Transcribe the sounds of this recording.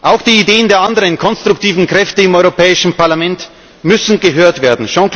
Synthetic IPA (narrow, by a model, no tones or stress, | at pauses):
ʔaʊxd̥iːideːəndeːɐʔandəʁənkʰɔnstʁ̥ʊktiːvn̩kʁ̥ɛftəɪmɔʏʁopɛːɪʃn̩paɐlamɛnt | mʏsn̩ɡəɦøːɐtv̥eːɐdn̩ʃɑ̃k